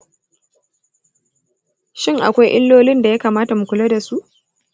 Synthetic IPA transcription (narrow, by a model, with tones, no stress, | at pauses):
ʃɪ˦ŋʔa̰˨kʷa˦jʔɪ˦lːoː˦lɪ˦nda˨ja˦kaː˨maː˦ta˨mu˨kʷʊ˨la˦da˨su˦ʔ